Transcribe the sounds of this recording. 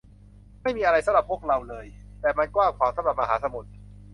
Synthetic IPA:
ma˥˩jmiː˧ʔa˧ɾa˧jsa˨˦mɾa˨˩pʰːu˥˩ək̚ɾa˧wlɤː˧jt̪ɛː˨˩ma˧nkwaː˥˩ŋkʰwaː˩˦mt̪ʰa˦mɾa˨˩ma˧ɦaː˩˦t̪ʰa˧mo˨˩t̪̚

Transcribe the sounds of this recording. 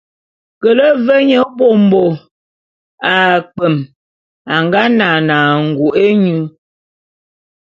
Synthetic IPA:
kə˨lə˦və˦ɲə˦bo˦˨m̩˨bo˨ | a˨k͡pə˨m | a˨ŋɡa˦na˨naː˨ŋ̩˨ɡu˨ʔe˦ɲʉ˦

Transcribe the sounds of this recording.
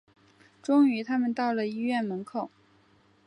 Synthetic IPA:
ʈ͡ʂʊ˥ŋy˧˥t̪ʰa˥mə˨nt̪ɑ˥˩ʊlə˩i˥ɥɛ˥˩nmə˧˥nkʰo˨˩˦

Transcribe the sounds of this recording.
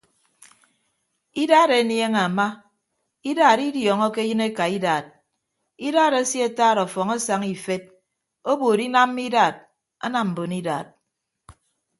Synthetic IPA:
i˦daː˦˨ɾe˨˦nje˦ŋa˨ma˦ | i˦daː˨ɾi˦djɔː˨ŋɔ˦ke˦jɨ˦ne˦ka˨i˦daː˨t̚ | i˦daː˦ɾa˦si˦e˨taː˦˨ɾɔ˨fɔ˨ŋa˦sa˨ŋi˨fe˦t̚ | o˦boː˨ɾi˦na˦mː˦i˦daː˨t̚ | a̰˦na˨m̩˨bo˨ni˦daː˨t̚

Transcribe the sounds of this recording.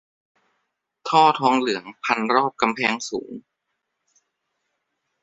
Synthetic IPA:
t̪ʰɔː˥˩t̪ʰɔː˦˥ŋlɯ˩˦əŋpʰa˧nɾɔː˥˩p̚ka˧mpʰɛː˧˥ŋsṵː˩˦ŋ

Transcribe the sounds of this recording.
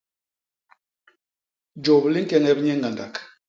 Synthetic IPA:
d͡ʒo˨bli˦ŋ̩˦kɛ˦ŋɛ˦bɲɛ˦ŋɡa˨nda˨k

